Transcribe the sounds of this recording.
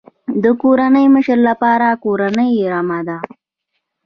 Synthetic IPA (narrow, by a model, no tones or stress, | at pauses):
d̪əkoɾanəjməʃəɾlapɑɾakoɾanəjɾamad̪a